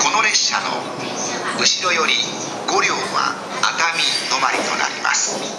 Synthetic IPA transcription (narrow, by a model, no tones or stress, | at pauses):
ko̞no̞ɾe̞ɕːano̞̰ | ɯ̟ɕiɾo̞jo̞ɾʲi | ɡo̞ɾʲjo̞ːβa̰ | at̪amʲio̞maɾʲit̪o̞na̰ɾʲima̰sɨ̥